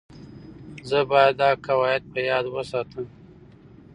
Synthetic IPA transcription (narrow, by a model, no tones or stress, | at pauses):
zəbɑjad̪ːɑkawɑjɪd̪̚pʰəjɑːd̪wəsɑt̪ʰəm